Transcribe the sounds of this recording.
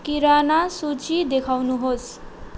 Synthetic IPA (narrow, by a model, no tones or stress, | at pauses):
kiɾanasut͡sid̪ekʰawnuɦos